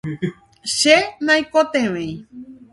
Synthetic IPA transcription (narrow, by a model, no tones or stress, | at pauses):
ʃenãjkot̪ẽʋẽj